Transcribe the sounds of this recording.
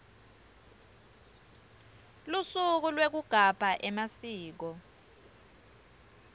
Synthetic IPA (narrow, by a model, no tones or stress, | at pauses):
lusuk̬ulwek̬uɡ̥ʱapaʔɛmasiːk̬ɔ